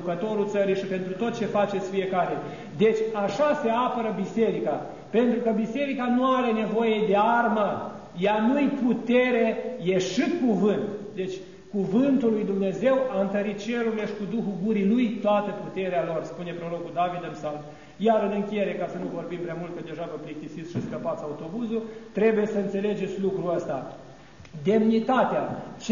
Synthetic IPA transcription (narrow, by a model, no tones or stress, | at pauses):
ukət̪o̞ɾult̪səɾijʃipe̞nt̪ɾut̪ot̪̚t͡ʃe̞fat͡ʃet̪sʲfie̞kaɾe̞ | d̪e̞t͡ʃʲaʃase̞apəɾəbise̞ɾika | pe̞nt̪ɾukəbise̞ɾikanuaɾe̞ne̞vo̞je̞d̪e̞armə | janujput̪e̞ɾe̞jeʃɨkuvɨnt̪d̪e̞t͡ʃʲ | kuvɨnt̪ulːujd̪umne̞ze̞waɨnt̪əɾit̪̚t͡ʃe̞ɾuɾile̞ʃi̥kud̪uxuɡuɾilujt̪oat̪əput̪e̞ɾealo̞rspune̞pɾo̞ɾokud̪avid̪əmsalt | jaɾɨnɨŋkʲijeɾe̞kasənuvo̞rbimpɾeamult̪̚kəd̪e̞ʒavəplik̚t̪isit̪sʃiskəpat̪sʲaut̪o̞buzut̪ɾe̞buje̞səɨnt̪se̞le̞d͡ʒe̞t̪sʲlukɾuəst̪a | d̪e̞mnit̪at̪eat͡ʃ